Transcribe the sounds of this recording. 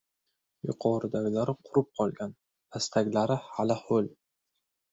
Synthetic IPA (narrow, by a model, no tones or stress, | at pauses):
jʊ̰qʰɒɾɪd̪aɡʲlaɾɪqʰʊɾɪp̚qʰɒlˠɡʲan | d̪ʰast̪ʰaɡʲlaɾɪhalɪhol